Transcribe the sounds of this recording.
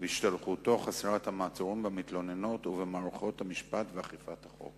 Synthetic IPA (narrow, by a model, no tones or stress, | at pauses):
veiʃt̪alχuto̞χaseʁathamaːt͡soʁimbemit̪lo̞ne̞no̞tuvemaːʁuχo̞thamiʃpatveaχifathaχo̞̰k